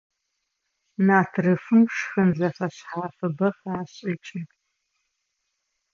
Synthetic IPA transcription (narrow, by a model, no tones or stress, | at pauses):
naːtʰrɨfɨmʂxɨnzɐfɐɕħaɐfɨbɐχaːɕʼiʈ͡ʂʰʼɐkʼ